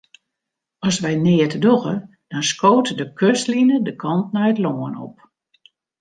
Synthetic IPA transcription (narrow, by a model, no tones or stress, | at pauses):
ɔsʋɛjnɪːətədoɣə | d̥ɔnskoːtədəkʰøslinədəkʰɔnt̚najətloːənɔ̰p̚